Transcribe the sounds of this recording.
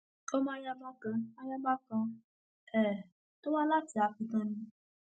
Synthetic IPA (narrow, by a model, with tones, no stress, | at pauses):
ko˦mã˦ja˦ba˦kã˧a˧ja˦ba˦kã˧ | ɛ˦˨ | to˦wa˦la˦ti˧a˨fi˨˧tã˦nĩ˧